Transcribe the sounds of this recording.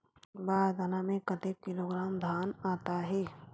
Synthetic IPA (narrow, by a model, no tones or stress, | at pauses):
baːɾd̪anamẽkət̪ekːɪloɡɾaːmd̪ʱaːnaːt̪aɦɛː